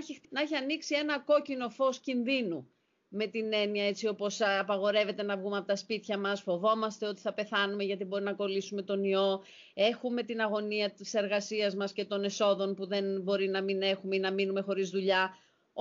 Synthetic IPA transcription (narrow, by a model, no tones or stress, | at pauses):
neçiɐniksie̞nɐko̞cino̞fo̞scinðinu | me̞t̪ine̞niɐe̞t͡sio̞po̞sɐpɐɣo̞ɾe̞ve̞t̪e̞nɐvɣumeɐpot̪ɐspit̪çɐmɐsfo̞vo̞mɐst̪eo̞t̪i̥θɐpe̞θɐnume̞ʝɐt̪̬ibo̞ɾinɐko̞lisume̞t̪o̞nio̞ | e̞xume̞t̪inɐɣo̞niɐt̪ise̞ɾɣɐsiɐzmɐsce̞t̪o̞ne̞so̞ðo̞npuðe̞nbo̞ɾinɐmine̞xumeinɐminume̞xo̞ɾizðuʎɐ